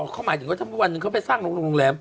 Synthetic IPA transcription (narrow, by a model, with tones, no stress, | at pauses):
kʰaː˦˥˩maː˨˦t̪ɯ˨˦kaː˧˦˩mʰuː˥˩˨ʔa˧nːɯ˧ŋka˦˥˩pa˨˩jsaː˥˩ŋlo˧ŋlo˧o˧ŋ˧lɛː˧˩m